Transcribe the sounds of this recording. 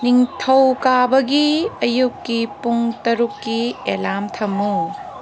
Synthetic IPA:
niŋtʰɐwkabɐɡiɐjukːipuŋtɐɾukːielamtʰɐmːu

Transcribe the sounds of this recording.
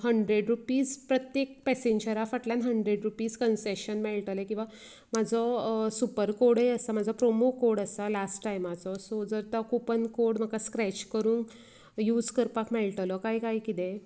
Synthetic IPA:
ɦəɳɖɾeɽɾupiːspɾət̪jek̚pɛseɲd͡ʑəɾafəʈljanɦəɳɖɾeɖɾupiːskənseɕənmɛɭʈəlekĩw̃ʋa | mad͡zʱɔsupəɾkoɾɽeəsamad͡zʱɔpɾomokoɾɽəsalasʈːajmad͡zɔsɔd͡zəɾt̪ɔkupənkoɾɽm̤akaskɾɛt͡ɕkəɾuːnk | juːd͡zkəɾpakmɛlʈlɔkaikaɦikit̪ẽ

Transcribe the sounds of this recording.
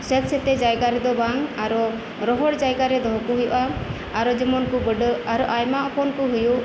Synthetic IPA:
sɛt̪sɛt̪ɛd͡ʒajɡaɾɛd̪ɔbaŋaɾɔ | ɾɔɦɔɽd͡ʒajɡaɾɛd̪ɔɦɔkuɦujṵʔaː | ɾɔd͡ʒəmɔnkubəɖaɾɔʔajmaʔɔpɔnkuɦuju

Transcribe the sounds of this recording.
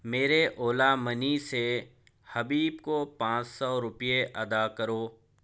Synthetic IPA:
meːɾeʔoːlamənise | hɐbiːbkopãːt͡ʃsɔɾʊpijeʔɐd̪akəɾoː

